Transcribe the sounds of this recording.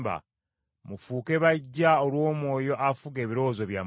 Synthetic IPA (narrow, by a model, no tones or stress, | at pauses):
ba̰ | mufuːke̞βaɟːaolwo̞ːmwo̞ːjo̞ʔafuɡe̞ːβiɾo̞zoβja